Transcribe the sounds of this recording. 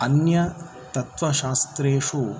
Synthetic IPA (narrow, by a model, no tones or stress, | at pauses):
ɐnjɐ | t̪ɐt̪ʋɐʃaːst̪ɾeːʂu